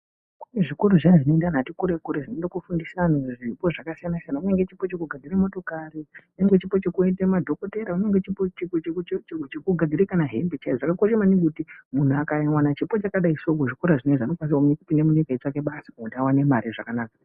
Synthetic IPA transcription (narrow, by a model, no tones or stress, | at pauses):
kuneʐikuɾuʐanʐinondan̤atikuɾekuɾeʐinondakufundisianoʐipo̞ʐakasijanasianauneŋɡet͡ʃipo̞t͡ʃekuɡʱad͡ziramo̞to̞kariuneŋɡet͡ʃipo̞t͡ʃekuetemadʱo̞koteɾauneŋɡet͡ʃipot͡ʃt͡ʃt͡ʃekuɡʱad͡zʱiɾekanaɦembet͡ʃaiʐakakoʃemaniŋkutimun̤uakaiwanat͡ʃipo̞t͡ʃakaɗaisokoʐikoɾaʐineʐanokwanswamunekupindemuɲikait͡sake̞ɓasḁodawanemaɾiʐakanaːkḁ